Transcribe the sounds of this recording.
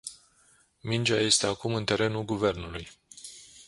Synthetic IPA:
mind͡ʒaje̞st̪e̞akumɨnt̪e̞ɾe̞nulɡuve̞rnuluj

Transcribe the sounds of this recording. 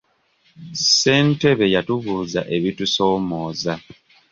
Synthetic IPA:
se̞ːnte̞βe̞jatuβuːza̰ʔe̞βituso̞ːmoːza

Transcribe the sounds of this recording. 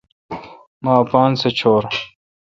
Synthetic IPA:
maːpaːnset͡ɕʰoːɾ

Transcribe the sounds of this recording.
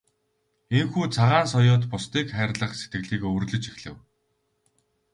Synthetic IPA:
eŋxuːt͡sʰaʁaːns̬ɔjʊːt̪pʊst̪iːkχæːrʲɮə̆χse̥t̪ɡɘ̆ɮiːkɵrɮɵ̆t͡ɕexɮɘ̆w

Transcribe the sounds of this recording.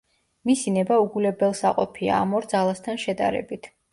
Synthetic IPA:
misinɛbauɡulɛbɛlˠsaqʼɔpʰia̰ːmɔɾd̪zalˠast̪ʰanʃɛd̪a̰ɾɛ̰bit̪ʰ

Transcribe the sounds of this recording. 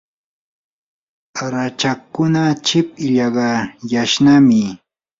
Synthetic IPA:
aɾat͡ʃakːʊnat͡ʃɪp̚ɪʎɑɢɑjaʃnamɪ

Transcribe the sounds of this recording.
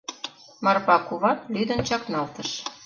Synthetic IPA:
mɑrpɑkuβɑt̪̚lyd̪ə̆nt͡ɕɑknɑlt̪əʃ

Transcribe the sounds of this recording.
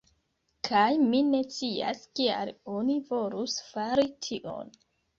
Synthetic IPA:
kʰajmine̞t͡sia̰skia̰lo̞nivo̞lusfaɾitʰiʔo̞̰n

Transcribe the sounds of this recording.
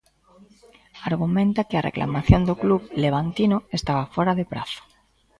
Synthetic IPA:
aɾɣumẽnt̪akɪarʔḛklʔa̰maθjond̪okluβleβ̞ant̪inoest̪aβafoɾaðepɾaθo̥

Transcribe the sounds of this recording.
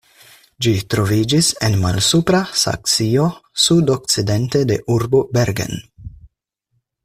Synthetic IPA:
d͡ʒitɾo̞vid͡ʒise̞nma̰lsupɾasa̰k̚t͡sio̞sudo̞k̚t͡side̞nte̞de̞̰ʔuɾbo̞be̞ɾɡe̞̰n

